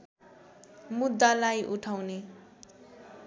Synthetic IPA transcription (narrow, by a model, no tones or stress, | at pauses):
mud̪ʱːalajʔuʈʰawne